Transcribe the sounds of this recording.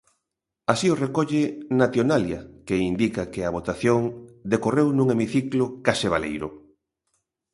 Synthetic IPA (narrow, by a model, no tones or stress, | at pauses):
asiorekoʎɪnat̪jonaljakeind̪ikakɪaβ̞ot̪aθjoŋd̪ekorewnũŋemiθiklokaseβ̞alḛjɾʊ̰